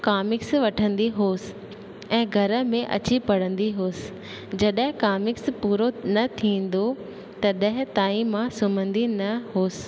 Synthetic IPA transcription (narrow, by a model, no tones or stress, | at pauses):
kaːmɪksʋɐʈʰə̃nd̪iɦoːsɪ̥ | ɛ̃ːɡʱɐɾə̆mẽʔɐ̰t͡ɕipɐɽə̃nd̪iɦoːsɪ̥̆ | d͡ʑɐɗəɦɪ̃kaːmɪkspuːɾonɐt̪ʰĩːn̆d̪o | t̪ɐɗə̃ɦɪ̃t̪aːĩmãsʊmə̃nd̪inɐɦoːs